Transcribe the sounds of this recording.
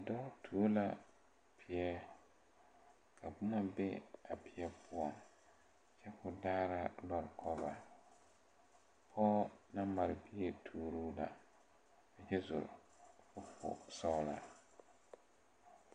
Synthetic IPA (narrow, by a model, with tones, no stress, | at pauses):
dɔ˦tʰu˨˦la˦ | pʰɪ˨jɛ˦ | kʰa˨bʊ˦na˦bɛ̰˦a˨pɪ˨ɛ˦pʰʊ˦ɔ˨n˨ | t͡ʃɛ˦kʊ˨daː˦ɾa˦lɔ˨ɾkʰɔ˦ba˨ | pʰɔː˦na˦ma˨ɾɪ˨bi˦e˨tʰuː˨ɾuː˦la̰˨ | ka˨d͡ʒɛ˦zʊ̰˨ɾ | fʊ˦pʊ̰˨sɔ˦la˨